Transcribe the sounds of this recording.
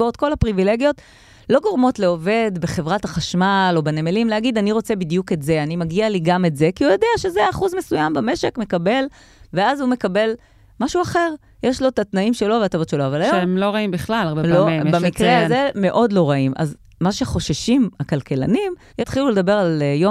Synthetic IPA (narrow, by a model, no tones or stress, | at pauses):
ot̚ko̞lapʁivile̞ɡijo̞t | lo̞ɡo̞ʁmo̞tle̞o̞ve̞d̪be̞χe̞vʁathaχaʃmalo̞benemelimleaɡid̪aniʁo̞t͡se̞bid̪ijuke̞tze̞animaɡialiɡame̞tze̞kiujo̞deaʃezeaχuzme̞sujambame̞ʃe̞kme̞kabe̞l | veazume̞kabe̞l | maʃuaχe̞ʁ | jeʃlo̞tat̪naimʃe̞lo̞veatavo̞tʃe̞loavalajoemloʁaimbiχlalaʁbeloebammikʁeazeme̞ʔo̞dlo̞ʁaima̰z | maʃeχo̞ʃaʃimakalkela̰nim | jet̪χiluled̪ɐbe̞ʁaljo